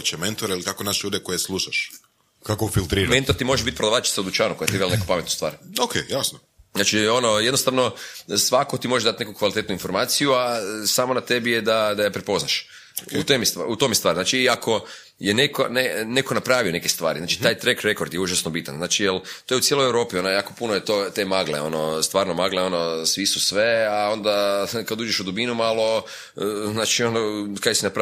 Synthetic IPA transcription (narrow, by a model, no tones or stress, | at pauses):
ot͡ɕement̪oɾailikakonaʃeʎuːd̪ekojeslˠuʃaʃ | kakoufilˠt̪ɾiːɾament̪ot̪imo̞ʒebit̪pɾod̪aʋat͡ʃi̥saod̪ut͡ʃaːnukojat̪ibelnekopame̞t̪nost̪a̰ːɾokʰḛjasno | znaːt͡ʃio̞nojed̪nost̪aʋno̞sʋako̞t̪imo̞ʒed̪at̪nekukʋalit̪e̞t̪nuinfo̞ɾmaːt̪sijuasaːmonat̪e̞bijed̪ad̪ajapɾepo̞znaʃ | ot̪omjst̪ut̪omjest̪ʋaːɾiznaːt͡ʃiːakʰo̞ | jeneko̰nene̞ko̞napɾaːʋio̞ne̞kest̪ʋa̰ːɾiznaːt͡ʃi̥t̪aːjt̪ɾekɾekoɾd̪jeuʒasnobit̪anznaːt͡ʃijelˠt̪ojut̪sjelojewɾo̞ːpionajaːkopunojet̪ot̪emaɡlḛo̞̰nost̪ʋaːɾnomaɡleo̞nosʋisusʋe̞ao̞nd̪akad̪uːd͡ʒeʃud̪ubinumalˠo̞ | naːt͡ʃio̞nokajesinapɾa